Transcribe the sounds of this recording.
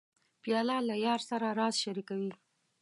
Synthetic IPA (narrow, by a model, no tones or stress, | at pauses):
pjɑlɑlajɑɾsaɾaɾɑzʃaɾikawi